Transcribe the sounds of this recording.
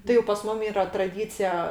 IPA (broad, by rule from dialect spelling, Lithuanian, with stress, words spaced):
tɐɪ jɛʊ pɐs ˈmʊm ˈiːrɐ trɐˈdʲiːt͡sʲɪjɛ